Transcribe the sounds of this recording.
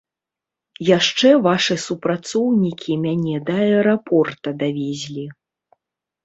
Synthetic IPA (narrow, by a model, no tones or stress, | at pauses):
jaʂt͡ʂɛvaʂɨsupɾat̪sɔwnʲikʲimʲanʲɛd̪ɐɛɾapɔrt̪ɐd̪avʲɛzʲlʲi